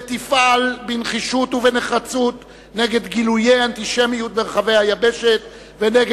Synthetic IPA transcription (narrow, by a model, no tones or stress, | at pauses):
t̪ifalbinχiʃut̪uveneχat͡sut̪ | neɡe̞d̪ɡilujejant̪iʃemijut̪̚beʁaχavejhajabeʃet̪ | veneɡ